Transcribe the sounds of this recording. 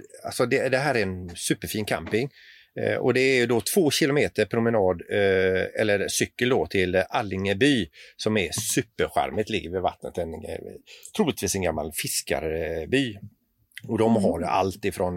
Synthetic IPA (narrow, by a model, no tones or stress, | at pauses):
a̰lsɔd̪ɛd̪ɛɦæːɾæɾɛnsʉ̟ːpːəɾfiːnkʰa̰mpɪŋ | ɔ̰d̪ɛæɾjɵd̪ɔt̪ʰv̥oːɕɪlʊmeːt̪əɾpʰɾʊmənɑːd̪ | ɛ̰lːəɾsʏkːəld̪ɔt̪ʰɪlʔalːɪŋəbyːsɔmæsʉ̟ːpːəɾɧæ̰ɾmət̪lɪɡːəɾvɪva̰t̪nə̰t̪ɛn | t̪ʰɾuːlɪt̪viːsɛnɡamːa̰lfɪska̰ɾbyː | ɔd̪ɔmɦaɾa̰lt̪ɪfɾɔn